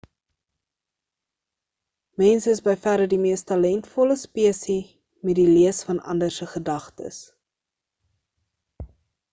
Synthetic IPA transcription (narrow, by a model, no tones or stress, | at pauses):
mɛnsəəsbəjfæɾədimiəstɐlɛntfɔləspiəsi | mɛtdiliəsfɐnɐ̰ndərsəχədɐχtə̰s